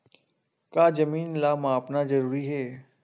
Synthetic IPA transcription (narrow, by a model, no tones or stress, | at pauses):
kaːd͡ʒəmiːnlaːmãːpnazəɾuːɾiɦɛː